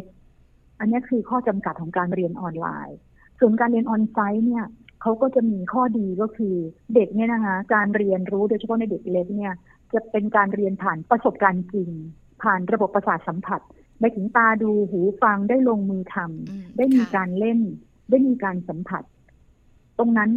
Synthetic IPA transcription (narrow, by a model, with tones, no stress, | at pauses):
k̚ | ʔa˧nːi˦˥ɐkʰɯː˧kʰɔː˥˩t͡ɕa˧mka˨˩t̪̚ʰːɔː˩˦ŋkaː˧nɾi˧ənʔɔː˧nla̰ː˧j | su˨˩ənkaː˧nɾi˧ənʔɔː˧nsa˦˥jni˥˩ɐkʰa˦˥wkɔː˥˩t͡ɕa˨˩miː˧kʰɔː˥˩diː˧kɔː˥˩kʰɯː˧de˨˩k̚ni˦˥ɐ˨na˦˥kʰa˦˥kaː˧nɾi˧ənɾuː˦˥doː˧t͡ɕʰa˧˩pʰna˧˩de˨˩k̚le˦˥k̚ni˥˩ɐ | t͡ɕa˨˩pe˧nkaː˧nɾi˧ənpʰaː˨˩npɾa˧so˨˩p̚kaː˧nt͡ɕi˧ŋ | pʰaː˨˩nɾa˧bo˨˩pːɾa˧saː˨˩t̪̚sa˩˦mpʰa˨˩t̪̚ | ma˧jt̪ʰɯ˩˦ŋt̪aː˧duː˧ɦuː˩˦fa˧ŋdaː˥˩jloː˧ŋmɯː˧t̪ʰa˧mdaː˥˩jmiː˧kaː˧nle˥˩n | daː˥˩jmiː˧kaː˧nsa˩˦mpʰa˨˩t̪̚ː | o˧ŋna˦˥n